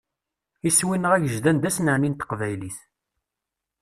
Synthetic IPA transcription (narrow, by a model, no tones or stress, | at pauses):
iswinəʁæʝəʒd̪ænd̪æsnəʕnint̪ə̥qvæjliθ